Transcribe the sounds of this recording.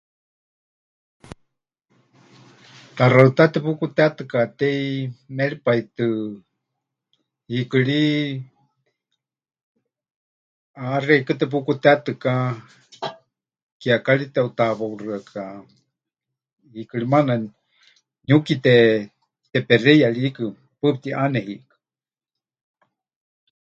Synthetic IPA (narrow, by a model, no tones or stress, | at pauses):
t̪araɨt̪at̪ɛpukut̪eat̪ɨkat̪ɛimɛɺipait̪ɨ | hikɨɺi | arɛikɨt̪ɛp̬ukut̪ɛat̪ɨka | kiakaɺit̪ɛut̪aβaurɨakʰa | hikɨɺimana | ɲukit̪ɛ | t̪ɛpɛrɛjaɺiikɨ | pɨp̚t̪iʔanɛhiʔkɨ̥